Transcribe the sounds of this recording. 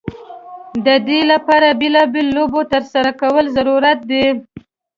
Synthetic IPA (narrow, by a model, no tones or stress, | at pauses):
d̪əd̪elapɑɾabelɑbelolobot̪əɾsaɾakawəlzaɾuɾat̪̚d̪e